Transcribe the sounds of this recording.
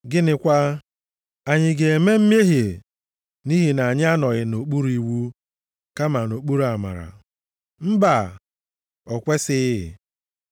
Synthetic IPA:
ɡɪ˦nɪ˦kʷa˦ | a˨ɲɪ˨ɡe˨e˨me˦m̩˦m˦e˦ɦe˨ | ni˦ɦi˨na˨ɲɪ˦a˦nɔ˨ɣɪ˨no˨k͡pu˦ɾi˨wu˦ | ka˦ma˨no˨k͡pu˦ɾu˦˨a˨ma̰˨ɾa̰˨ | m̩˦ba˨ | ɔ˨kʷe˦sɪ˦˨

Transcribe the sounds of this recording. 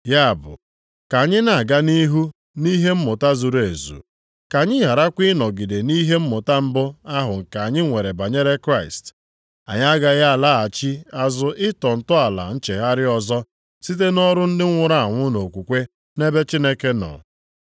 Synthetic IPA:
ja˦a˨bʊ̰˨ | ka˨ɲɪ˦na˨a˨ɡa˦ni˦ɦu˦ | ni˦ɦe˦m̩˦mʊ˨ta˦zu˨ɾe˨zṵ˨ | ka˨ɲɪ˦ɦa˨ɾa˦kʷi˦nɔ˨ɡi˨de˨ni˦ɦe˦m̩˦mʊ˨ta˦m̩˦bʊ˦a˦ɦʊ˨ŋ̩˨ka˨ɲɪ˦ŋʷe˨ɾe˨ba˨ɲe˦ɾe˦kɾa˦˨ɪ̰˨st | a̰˨ɲ˦a˦ɡa˦ɣa˦˨la˦a˨t͡ʃi˦a˦zʊ˦ʔɪ˦tɔ˨n̩˨tʊ˦a˨la̰˨n̩˦t͡ʃe˨ɦa˦ɾɪ˦ɔ˨zɔ˦ | si˦t̬e˦nɔ˦ɾʊ˦n̩˦dɪ˦ŋʷʊ˦ɾa˦˨a˨ŋʷʊ˦no˨kʷu˨kʷe˦ | ne˦be˦t͡ʃi˦ne˦ke˦nɔ̰˨

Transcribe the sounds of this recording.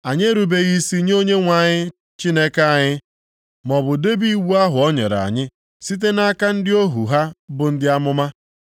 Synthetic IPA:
a˨ɲe˦ɾu˨be˦ɣi˦si˦ɲ˦o˦ɲe˦ŋʷa˨ɲɪ˦ | t͡ʃi˦ne˦ka˦a˨ɲɪ˦ | mɔ˨bʊ˨de˦bi˦wu˦a˦ɦʊ˨ɔ˦ɲḛ˨ɾa̰˨ɲɪ˦ | si˦t̬e˦na˦ka˦n̩˦dɪ˦o˦ɦu˨ɦa˦bʊ˨n̩˦dɪ˦a˦mʊ˦ma˦

